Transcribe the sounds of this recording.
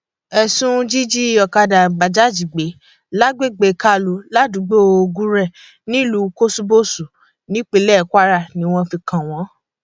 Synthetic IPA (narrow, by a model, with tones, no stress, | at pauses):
ɛ˧sũ˦d͡ʒi˦d͡ʒi˦˧ɔ˨ka˧da˨ɡ͡ba˨d͡ʒa˨˦˨d͡ʒi˨ɡ͡be˨˦ | la˦ɡ͡be˦˨ɡ͡be˧˨ka˦lu˨˦la˦du˨˦ɡ͡bo˦o˧o˧ɡũ˦ɾɛ˦˨ | nĩ˦lu˨˦ko˦su˧bo˦˨su˨ | nĩ˨˦k͡pe˨˧˦lɛ˦˨kʷa˦ɾa˦˨nĩ˨˦w̃ɔ̃˧fi˧kʰã˨w̃ɔ̃˨˦